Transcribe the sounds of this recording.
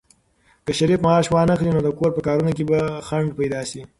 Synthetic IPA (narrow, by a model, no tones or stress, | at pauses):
kəʃaɾifmɑːʃwɑnəxlinod̪əkoɾpəkɑːɾunok̬ebaxaɳɖpajd̪ɑʃi